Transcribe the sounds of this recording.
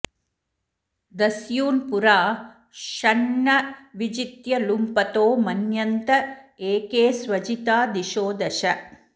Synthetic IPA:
d̪ɐsjuːnpuɾaː | ʃɐɳːɐʋid͡ʒit̪jɐlumpɐt̪oːmɐnjɐnt̪ɐeːkeːsʋɐd͡ʒit̪aːd̪iʃoːd̪ɐʃɐ

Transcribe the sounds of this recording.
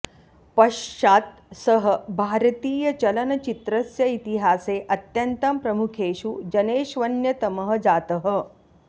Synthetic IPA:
pɐʂʂaːt̪̚ | səɦəbʱaːɾt̪iːjɐt͡ʃɐlɐnɐt͡ʃit̪ɾɐsjɐit̪iɦaːseːʔɐt̪jɐnt̪ɐmpɾɐmukʰeːʃud͡ʒɐneːʃʋɐnjɐt̪ɐməɦəd͡zaːt̪əɦə̆

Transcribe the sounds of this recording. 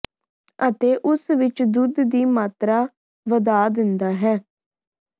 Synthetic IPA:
ət̪eːʔʊsʋɪt͡ʃd̪ʊd̪d̪iːmaːt̪ɾaː | ʋəd̪aːd̪ɪnd̪aːɦɛː

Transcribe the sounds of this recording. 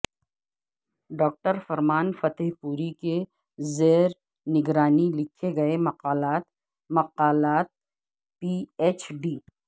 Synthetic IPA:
ɖɔːk̚ʈəɾfɐɾmaːnfɐt̪ɦpuːɾike | zeːɾ | nɪɡɾaːnilɪkʰeɡɐemɐqaːlaːt̪ | mɐqaːlaːt̪̚ | pieːt͡ʃɖiː

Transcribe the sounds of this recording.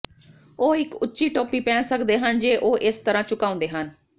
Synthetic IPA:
oːɪkʊtːʃiːʈoːpiːpɛ̃ːnsəkd̪eːɦənd͡ʒeːʔoːʔɪst̪əɾãːt͡ʃʊkaːʊ̃nd̪eːɦən

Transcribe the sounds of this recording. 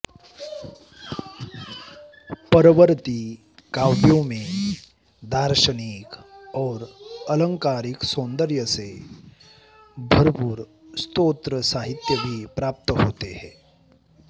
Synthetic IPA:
pəɾəʋəɾt̪i | kawbjõmẽ | d̪aːɾʃənikɔːɾələ̃ŋkaːɾiksõːnd̪əɾjəse | bʱəɾpuːɾ | st̪oːt̪ɾəsaːɦɪt̪jəbʱipɾaːp̚t̪əɦoːt̪ehɛ̃ː

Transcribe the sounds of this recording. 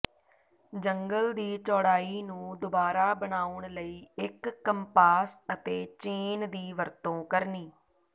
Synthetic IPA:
d͡ʒəŋɡəld̪iːt͡ʃɔːɽaːiːnũːd̪ʊbaːɾaːbəɳaːʊɳləiːɪkːəmpaːsət̪eːt͡ʃeːnd̪iːʋəɾt̪õːkəɾniː

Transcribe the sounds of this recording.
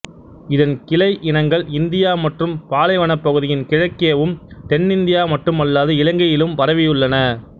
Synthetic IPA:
ɪðɐnkɪlɐɪʔɪnɐŋɡɐɭɪnd̪ɪjaːmɐʈrɯmpaːlɐɪʋɐɳɐpːɐɣɯðɪjɪnkɪɻɐkːɪjɐʋɯmt̪ɛnːɪnd̪ɪjaːmɐʈrɯmɐlːaːðɯɪlɐŋɡɐjɪlɯmʋɐɾɐʋɪjɯɭːɐnɐ

